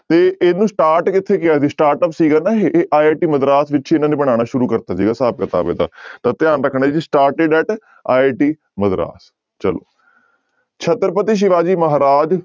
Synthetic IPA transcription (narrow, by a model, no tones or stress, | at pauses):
t̪eːeːnũːsʈaːɾʈkɪt̪ʰːeːkɪjaːsiːsʈaːɾʈəːpsiːɡaːnaːɦeʔeʔaːeːʈiːməd̪ɾaːsʋɪt͡ʃt͡ʃʰːɪnãːnẽːbəɽ̃aːɽ̃aːʃʊɾuːkəɾt̪aːsiːɡaːsaːb̚kət̪a̰ːʋḛːd̪a̰ːt̪at̪ɪjaːnɾəkʰːɳaːd͡ʒid͡ʒiːsʈaːɾʈeɖɛːʈ | aːeːʈiː | məd̪ɾa̰ːs | t͡ʃəlo̰ː | t͡ʃʰət̪ɾəpət̪iːʃ̬ɪʋaːd͡ʒiːməɦaːɾaːd͡ʒ